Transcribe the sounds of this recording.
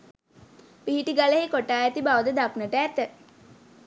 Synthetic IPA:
piɦiʈiɡaleɦekoʈaːjɛt̪ibaʋəd̪əd̪aknəʈəæt̪ə

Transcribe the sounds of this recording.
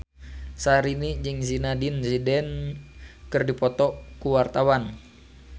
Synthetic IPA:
saɾinid͡ʒɨŋzinadinsidɛn | kɨrdipɔt̪ɔkuwart̪awan

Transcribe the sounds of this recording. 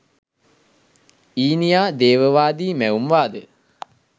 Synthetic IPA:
iːnijaːd̪eːʋəʋaːd̪iːmæumʋaːd̪ə

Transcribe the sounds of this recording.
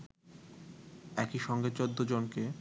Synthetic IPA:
ɛkiʃɔŋɡet͡ɕod̪ːod͡ʑonke

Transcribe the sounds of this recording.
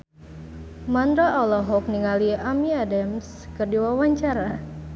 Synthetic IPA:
mand̪ɾaʔɔlɔɦɔk̚niŋaliamiadams | kɨrdiwawaɲt͡ʃaɾa

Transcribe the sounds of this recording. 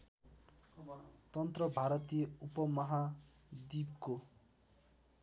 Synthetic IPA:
t̪ʌnt̪rʌbʱaɾʌt̪ijʌupʌmʌɦa | d̪ibko

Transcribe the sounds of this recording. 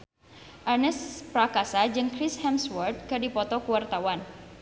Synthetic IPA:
ʔarnɛspɾakasad͡ʒɨŋkɾɪshɛmswɔrt̪̚kadipɔt̪ɔkuwart̪awan

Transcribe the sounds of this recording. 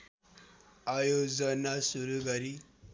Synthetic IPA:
ajod͡zənasuɾuɡəɾi

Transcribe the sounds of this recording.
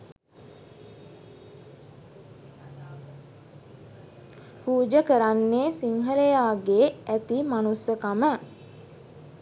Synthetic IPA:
puːd͡ʒəkəɾanːeːsiŋɦələjaːɡeːæt̪imanusəkamə

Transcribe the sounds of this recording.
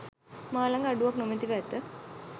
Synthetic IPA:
maːlaŋɡaɖuʋaknomet̪iʋæːt̪ə

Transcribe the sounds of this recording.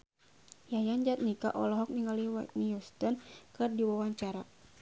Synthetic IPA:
jajand͡ʒat̪̚nika̰ʔɔlɔɦɔk̚niŋaliwat̪niust̪ɔnkɨrdiwawaɲt͡ʃaɾa

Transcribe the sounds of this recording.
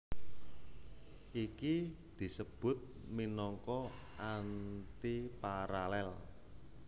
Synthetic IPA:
ʔiki | d̪̥i̤səb̥ʊ̤t̪̚minɔŋkɔʔant̪ipaɾalɛl

